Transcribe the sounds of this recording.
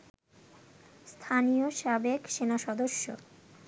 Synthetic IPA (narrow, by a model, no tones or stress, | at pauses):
st̪ʰanijoʃabekʃenaʃɔd̪oʃːo̰